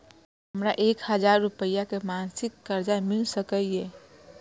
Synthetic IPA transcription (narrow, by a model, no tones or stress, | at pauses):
ɦɦəmɾaʔeːkhəd͡ʒaːɾːupəjakemaːnsɪkːəɾd͡ʒamɪlsəkəieː